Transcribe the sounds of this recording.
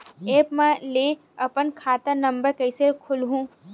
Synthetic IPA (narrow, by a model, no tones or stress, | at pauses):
eːpmɛ̃le | ɐpənkʰaːt̪ənɐ̃mbəɾkɐɪsekʰʊlɦũ